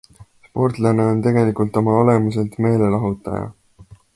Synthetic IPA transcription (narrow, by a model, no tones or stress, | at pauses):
spo̞rt̪ˑlɑne̞o̞nt̪e̞ɡe̞likult̪o̞mɑole̞muse̞lt̪me̞ːle̞lɑɦut̪ːˑɑ̰jɑ̰